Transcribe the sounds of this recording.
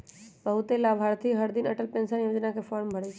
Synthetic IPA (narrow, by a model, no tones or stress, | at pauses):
bəɦut̪elabʱaɾt̪ʰiɦəɾd̪inəʈəlpẽnsənjod͡ʒnakepʰɔɾmbʱəɽɛt͡ʃʰ